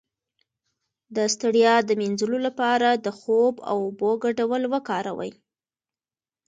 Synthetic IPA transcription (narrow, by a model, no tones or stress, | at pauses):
d̪əst̪aɽjɑd̪əminzəlolapɑɾad̪əxoba̰woboɡaɖawəlwəkɑɾa̰wə̰j